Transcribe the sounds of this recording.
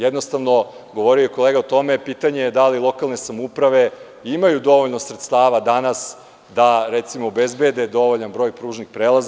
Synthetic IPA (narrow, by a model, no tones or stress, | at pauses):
jed̪nost̪aʋno | ɡo̞ʋo̞ɾiojko̞leːɡaot̪o̞me̞piːt̪aɲejed̪alilˠo̞kalˠne̞samupɾaʋe̞ | imajud̪o̞ʋoʎno̞sɾet̪st̪aːʋad̪anas | d̪aɾet̪simoːbezbed̪e̞d̪o̞ʋoʎanbɾo̞ːjpɾuːʒnixpɾeːlaz